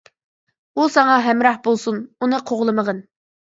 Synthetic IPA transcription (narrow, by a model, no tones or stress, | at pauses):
usɑŋɑɦɛmɾɑhbolˠsununɨqʰoʁlˠɨməʁən